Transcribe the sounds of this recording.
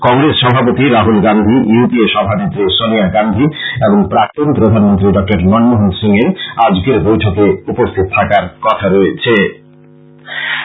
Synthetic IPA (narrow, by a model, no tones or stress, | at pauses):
kɔŋɾesʃɔbʱapot̪iɾaɦulɡand̪ʱijupieʃɔbʱanid̪ɾosoniaɡand̪ʱieboŋpɾak̚t̪onpɾod̪ʱanmont̪ɾiɖɔk̚ʈaɾnɔnmoɦonsiŋeɾad͡ʑkeɾbojʈʰokeupost̪ʰit̪̚t̪ʰakaɾkɔt̪ʰaɾoet͡ɕʰe